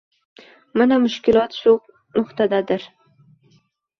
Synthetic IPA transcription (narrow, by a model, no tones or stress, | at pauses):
manamʊʃkʲɪlˠɒt̪ʃʊ | nʊht̪ʰad̪ad̪ɪɾ